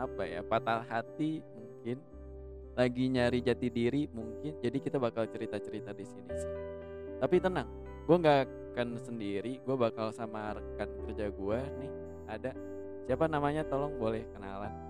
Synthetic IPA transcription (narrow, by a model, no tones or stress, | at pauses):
apaja̰pat̪alɦat̪imuŋkɪn | laɡiɲaɾid͡ʒat̪idiɾimuŋkɪnd͡ʒadikit̪abakalt͡ʃəɾit̪at͡ʃəɾit̪adisinisi̥ | t̪apit̪ənaŋ | ɡuaŋɡa | kansəndiɾiɡuabakalsamaɾəkankərd͡ʒaɡuanɪh | ada | siapanamaɲat̪olɔŋbolɛhkəna̰lan